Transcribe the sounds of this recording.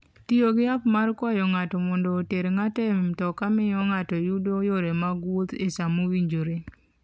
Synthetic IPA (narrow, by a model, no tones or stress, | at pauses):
tioɡɪapmarkɔjɔŋatɔmɔndɔːteɾeŋatɛmɪmtɔkamɪjɔŋatɔjudojoɾemaɡwot̪esamowiɲd͡ʒoɾe